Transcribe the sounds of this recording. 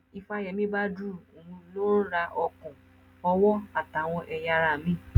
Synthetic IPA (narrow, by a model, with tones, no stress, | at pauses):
i˧fa˧˨jɛ˨mĩ˦ba˦du˦o˨ũ˧lo˦ɾa˧ʔɔ˧kɔ̃˨ | ɔ˧wɔ˦a˨ta˨w̃ɔ̃˧ʔɛ˧ja˧ɾa˧˨mĩ˦